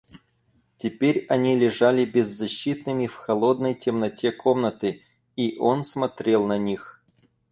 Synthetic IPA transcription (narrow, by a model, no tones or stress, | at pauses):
tʲɪpʲeɾʲɐnʲilʲɪʐalʲɪbʲɪzːɐɕːit̪nɨmʲɪfxɐlˠo̞d̪nəjtʲɪmnɐtʲekʰo̞mnət̪ɨ | iʔo̞nsmɐt̪ɾʲe̞lˠnɐnʲix